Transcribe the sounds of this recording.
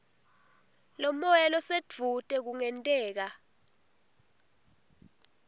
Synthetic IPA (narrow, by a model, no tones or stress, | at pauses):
lomɔjɛlɔsed͡v̥ʱutʼɛk̬uŋɛntʼɛːk̬a